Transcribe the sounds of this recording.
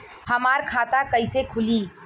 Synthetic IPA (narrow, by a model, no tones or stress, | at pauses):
həmaɾkʰat̪akəɪsekʰuli